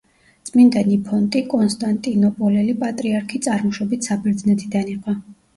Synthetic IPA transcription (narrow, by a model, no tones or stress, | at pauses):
tt̪sʼmind̪ɛnipʰɔnt̪ʼikʼɔnst̪ʼant̪ʼinɔpʼɔlɛlipʼat̪ʼɾiaɾkʰit̪sʼaɾmɔʃɔbit̪ʰsabɛɾd̪znɛt̪ʰʼid̪aniqʼa